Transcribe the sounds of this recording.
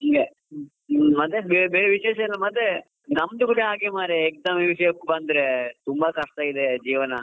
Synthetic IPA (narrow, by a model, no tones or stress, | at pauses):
ɦiːɡe | mɐt̪ːebebeːɾeʋiʃeːʃɐɐlːɐmɐt̪ːe | nɐmd̪ukuleaːɡemaːɾeːk̚d̪ɐmeʋiʂɐjɐkːubɐnd̪ɾet̪umbɐkɐʂʈ̪aid̪ed͡ʒiːʋɐnɐ